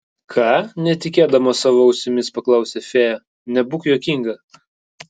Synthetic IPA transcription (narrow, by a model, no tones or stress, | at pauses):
kʰɑːnʲɛt̪ʲɪkʲeːd̪ɐmoːsɑːʋoːʊʃʲsʲɪmʲɪspɐklˠɐˑʊsʲefʲeːjɐ | nʲɛbʊkjoːkʲiŋɡɐ